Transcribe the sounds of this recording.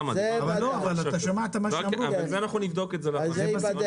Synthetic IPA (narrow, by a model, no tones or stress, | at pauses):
mvlloavalataʃamat̪amaʃeamɾuzanaχnunivd̪okezelazas